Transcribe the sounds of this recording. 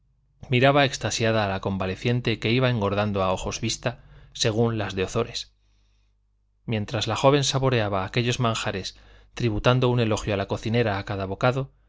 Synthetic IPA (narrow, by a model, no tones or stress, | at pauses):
miɾaβae̞kst̪asjaðaːlako̞mbale̞θje̞nt̪e̞ke̞iβae̞ŋɡo̞ɾðand̪oao̞xo̞zβist̪ase̞ɣ̞unlazðe̞o̞θo̞ɾe̞s | mje̞nt̪ɾazlaxo̞β̞e̞nsaβo̞ɾe̞aβaːke̞ʎo̞zmãŋxaɾe̞s | t̪ɾiβut̪and̪o̞une̞lo̞xjoalako̞θine̞ɾaːkaðaβo̞kaðo̞